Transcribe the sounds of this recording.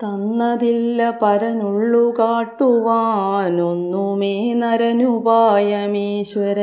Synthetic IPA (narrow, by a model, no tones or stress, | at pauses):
t̪ɐnːɐðilːɐpɐɾɐnuɭːukaːʈːuʋaːnonːumeːnɐɾɐnubaːjɐmiːɕʋɐɾɐ